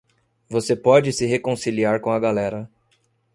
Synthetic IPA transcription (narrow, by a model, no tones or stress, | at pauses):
vosepɔd͡ʒɪsɪɦekõsiliaɾkõɐɡalɛɾɐ